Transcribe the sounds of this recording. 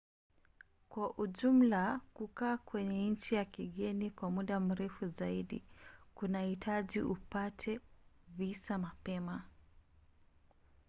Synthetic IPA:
kwaʔuʄum̩lakukaːkwɛɲɛɲ̩t͡ʃijakiɠɛnikwamuɗam̩ɾɛfuzaiɗḭkunahitʰaʄiʔupatʰɛvisamapɛma

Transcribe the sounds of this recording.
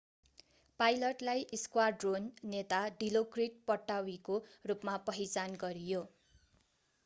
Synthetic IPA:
pajlʌʈlajʔiskwarɖronːet̪aɖilokriʈ̚pʌʈːawikorupmapʌɦit͡sanɡʌɾijo

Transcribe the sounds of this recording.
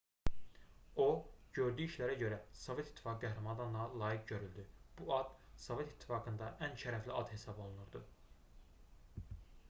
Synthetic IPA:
o̞ɟø̞ɾd̪yːiʃlæɾæɟø̞ɾæsove̞t̪ʰi̥t̪ʰːi̥fɑkɯɡæɦɾɑmɑd̪ɑnlˠɑlˠɑːjiɡ̚ɟø̞ɾyld̪yb̥uɑd̪̥sove̞t̪i̥t̪ʰːi̥fɑːɡɯnd̪ɑʔænʃæɾæfliɑd̪he̞sɑbo̞lˠunuɾd̪ɯ

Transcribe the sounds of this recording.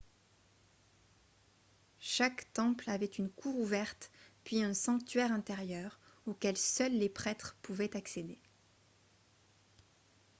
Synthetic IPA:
ʃakt̪ɑ̃plavɛt̪ynkʰuʁuvɛʁt̪pɥiɛ̃sɑ̃kt̪ɥɛʁɛ̃t̪eʁjœʁokʲɛlsœlːepχɛt̪χpuvɛt̪aksed̪e

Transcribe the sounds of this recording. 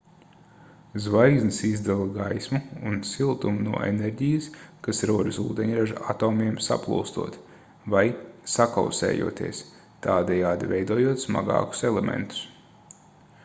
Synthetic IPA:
zvajɡznisizd̪alˠɐɡajsmuunsilˠt̪umunuɔ̰ḛneɾʲɟijɐskasɾuɔd̪usṵːd̪eɲɾaʒaat̪ɔːmʲiɛmsa̰plˠṵlˠst̪ṵɔt̪ | vajsaka̰wsɛ̰ːjṵɔt̪ḭɛs | t̪aːd̪ɛjaːd̪ivɛjd̪uɔːjuɔt̪sma̰ɡɑ̰ːku̥sɛlˠemʔḛ̃nt̪u̥s

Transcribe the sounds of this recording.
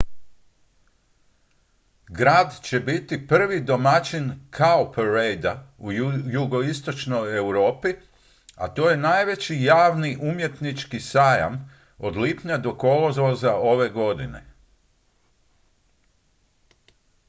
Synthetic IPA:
ɡɾaːd̪t͡ɕe̞bit̪ipr̩ʋid̪o̞mat͡ʃinkʰaopeɾejd̪aujuɡo̞ist̪o̞t͡ʃnoje̞wɾo̞ːpi | a̰t̪o̞ːje̞naːjʋe̞t͡ɕijaːʋniʔumje̞t̪nit͡ʃkisaːja̰m | o̞d̪liːpɲad̪o̞ko̞lozʋozaʔo̞ʋe̞ɡo̞d̪ine̞̰

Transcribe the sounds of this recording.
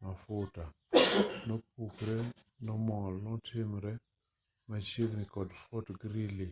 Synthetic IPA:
nafʊta | nɔp̚ukɾɛ | nɔmɔlɔtʰɪmɾɛ | mat͡ʃeɡnikɔdfotɡɾili

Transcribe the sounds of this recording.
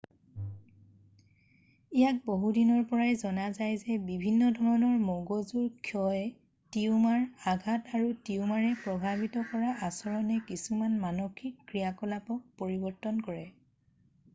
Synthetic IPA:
ijak̚boɦudinɔɹpɔɹajzɔnazajzɛbibʱinːɔdʱɔɹɔnɔɹmoɡozuɹkʰjɔjɛ | tiumaɹaɡʱataɹutiumaɹɛpɹɔbʱabitɔkɔɹaʔasɔɹɔnɛkisumanmanokʰikːɹijakɔlapɔk̚poɹibɔɹtɔnkɔɹɛ

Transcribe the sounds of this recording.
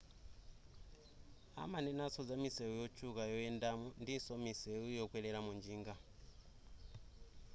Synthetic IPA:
a̰manɛnasɔd͡zamisɛujɔt͡ʃʰʼukajɔɛndamundisɔmisɛujɔkwɛlɛlamund͡ʒiːŋɡa

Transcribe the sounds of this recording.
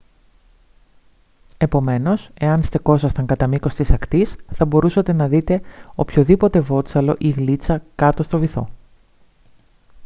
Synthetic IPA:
e̞po̞me̞no̞se̞ɐnst̪e̞ko̞sɐst̪ɐŋkɐt̪ɐmiko̞st̪isɐkt̪isθɐbo̞ɾusɐt̪e̞nɐðit̪e̞o̞pço̞ðipo̞t̪e̞vo̞t̪t͡sɐlo̞̰ʔiɣlit͡sɐkɐt̪o̞st̪o̞viθo̞̰

